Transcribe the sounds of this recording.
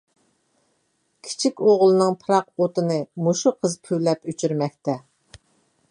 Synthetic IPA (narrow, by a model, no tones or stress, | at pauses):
kʲʰi̥t͡ʃʰikʲoʁlˠɨnɨŋpʰɨɾɑq̚ot̪ɨnɨmuʃuqʰəzpʰywlɛpyt͡ʃʰyɾmɛk̚ʲt̪ʰɛ